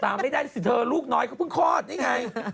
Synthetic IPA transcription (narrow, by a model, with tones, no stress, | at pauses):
t̪aː˧ma˥˩jdaː˥˩˦si˨˦˩t̪ʰɤː˧luː˥˩k̚nɔː˦jkʰaː˧˥˩pʰɯ˥˩ŋkʰɔː˥˩t̪̚ja˧˩ŋa˧j